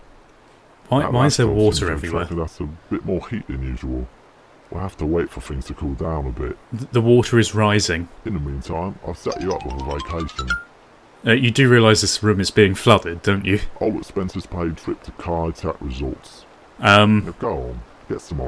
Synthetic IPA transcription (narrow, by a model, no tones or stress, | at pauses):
waɪwaɪɪzðəwɔˑtəɹɛvɹiwɛ̃ːðætsəb̥ɪʔ̚mɔːhiˑʔɨ̰̃njʉ̰ːʒəwəlˠ | wihæftəweɪtfə˞θɪ̃ŋz̥tʰəkʰɔːlˠdãʊ̃nəbɪ̰t̚ððəwɔˑtʰəɹɪzɹaɪzɪ̃ŋɨ̃nðəmĩntʰãɪ̃ma̰ɪv̥sɛ̰t͡ʃəʌpwɪðəveɪkʰeɪʃə̃n | ʌjədəɹiəlaɪzðɪsɹʉ̃mɪzbiːɪ̃ŋflʌdəd̚ə̃ʊ̃nt͡ʃɨʔaʊlˠətspɛ̃nsəz̥pʰeɪtʰɹ̥ɪp̚tʰəkʰɑɹtʰæ̰kɹɪzʌlˠts | ʔʌ̃mɡ̥oʊə̃n | ɡ̥ɛtsʌ̃mə